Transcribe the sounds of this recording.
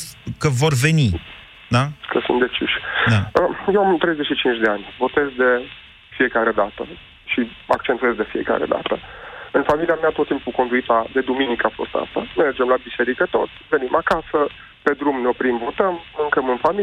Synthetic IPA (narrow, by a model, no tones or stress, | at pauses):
kəvo̞rve̞ni | d̪akəsṵnt̪d̪e̞t͡ʃiʃʲd̪aəjewamt̪ɾe̞jzeʃit͡ʃint͡ʃd̪e̞anʲvo̞t̪e̞zd̪e̞ | fie̞kaɾe̞d̪at̪ə̰ | ʃia̰k̚t͡ʃent̪ue̞zd̪e̞fie̞̰ka̰ɾe̞̰d̪a̰t̪əɨnfamiliameat̪ot̪t̪ːimpuko̞nd̪uit̪ad̪e̞d̪uminikəafo̞̰st̪a̰stamerd͡ʒemlabise̞ɾikət̪o̞t̪sʲve̞nimʔakasə | pe̞d̪ɾumneo̞pɾimvo̞t̪əmːuŋkəmɨnfami